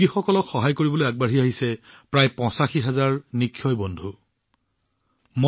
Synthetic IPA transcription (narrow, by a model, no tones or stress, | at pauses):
ixɔkɔlɔkxɔɦajkoɹibɔlojaɡ̚baɦiaɦisɛpɹajpɔ̃saxiɦazaɹnikʰːjɔjbɔndʱu | mo